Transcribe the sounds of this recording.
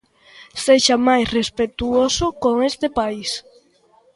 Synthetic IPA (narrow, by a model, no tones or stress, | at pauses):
seʃamajsrespet̪uosokoŋest̪epais